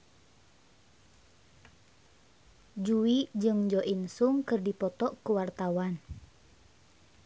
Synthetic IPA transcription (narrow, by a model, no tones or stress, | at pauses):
d͡ʒuid͡ʒɨŋd͡ʒɔʔinsuŋkɨrdipɔt̪ɔʔkuwart̪awan